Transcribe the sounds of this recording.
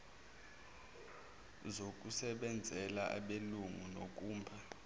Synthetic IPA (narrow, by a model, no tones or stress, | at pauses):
zok̬ʼusɛɓɛnd͡zʱɛlaʔa̰ɓeluŋunok̬ʼuːmbʱa